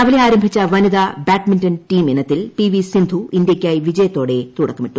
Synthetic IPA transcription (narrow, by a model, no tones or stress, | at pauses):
ɐʋɐleaːɾɐmbʱit͡ɕːɐʋɐniðaːbaːʈminʈɐnʈiːmenːɐt̪ːilpiʋisind̪ʱuind̪jɐkʲːaːjiʋid͡ʑɐjɐt̪ːo̞ːɽet̪uɽɐkːɐmiʈːu